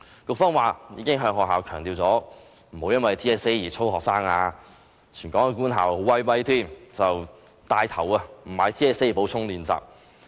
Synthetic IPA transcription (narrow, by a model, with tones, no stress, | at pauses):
kʊ˧k̚fɔː˥ŋwaː˨jiː˨˧kɪ˥ŋɦœː˧ŋɦɔː˨k̚ɦaː˨˧wkʰœː˨˩ŋt̪iː˧wt͡sɔː˨˥ | m̩˨˩ho˨˧wjɐ˥nwɐ˨jt̪ʰiː˥ɛː˥se˥jjiː˨˩t͡sʰo˥whɔː˨k̚saː˥ŋaː˧ | t͡ʃʰyː˨˩nkɔː˨˥ŋɛ˨˧kuː˥nɦa̰ː˨who˨˥wɐ˥jwɐ˥jt̪ʰiː˥˩nt͡sɐ˨w | t̪aː˧jt̪ʰɐ˨˩wɐ˧m̩˨˩maː˨˧˥jt̪ʰiː˥ɛː˥se˥jpo˨˥wt͡sʰʊ˥ŋliː˨nt͡sa̰ː˨p̚